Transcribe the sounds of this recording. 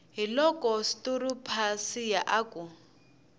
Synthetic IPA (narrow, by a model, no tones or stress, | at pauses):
ɦilɔkʼɔstuɾupʰasijaʔaku